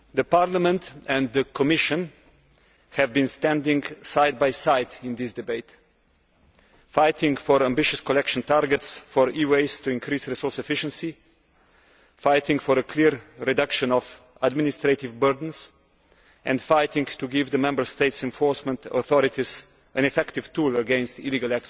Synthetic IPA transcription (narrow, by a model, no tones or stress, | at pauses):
ðəpaɾlamɛ̃nt̪ɛ̃nd̪dəkʰɔmɪʃə̃n | hɛvbĩnst̪æ̃ndɪ̃ŋɡsaɪd̪̚baɪsaɪd̪ɪ̃nd̪ɪsd̪ɪbeɪt̪ | faɪt̪ʰɪ̃ŋɡfɔɾãmbɪʃɨskɔlɛkʃə̃nt̪aɾɡɛtsfɔɾiweɪstuɪ̃nkʰɾiːsɾisɔɹsɛfɪʃə̃nsi | faɪt̪ɪ̃ŋɡfɔɾəkʰliɾːɛdʌkʃə̃nɔf | admɪnɪst̪ɾeɪtɪvbɜɾdə̃n̩s | ʔɛ̰̃ndfaɪt̪ɪ̃ŋɡt̪uɡɪvd̪əmɛ̃mbə˞st̪eɪtsɛ̃nfɔɹsmɛ̃nt̪ɔ̰θɔɾɪt̪ʰiz | ʔɨ̃nɛfɛktɪvt̪uləɡɛ̃nst̪iliɡalɛks